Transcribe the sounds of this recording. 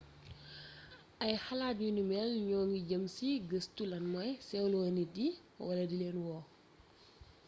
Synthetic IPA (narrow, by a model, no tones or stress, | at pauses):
ʔɐjxɐlaːt̚junumɛlɲɔːŋɡiɟɐmsiɡəstulɐnmɔjsɛwlɔnidi | wɐlɐdileːnwɔː